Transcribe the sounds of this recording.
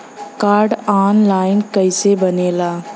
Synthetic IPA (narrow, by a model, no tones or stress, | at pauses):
kaːɾɖaːnlaːɪnkəɪsebəneːlaː